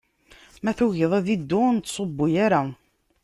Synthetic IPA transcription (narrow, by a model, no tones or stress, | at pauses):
mæθuʝəðˤæðid̪ːʊnt̪ːsˤobːʊjaɾa